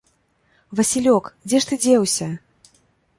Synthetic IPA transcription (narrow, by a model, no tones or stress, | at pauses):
vɐsʲilʲɔkd͡zʲɛʂt̪ɨd͡zʲɛwsʲɐ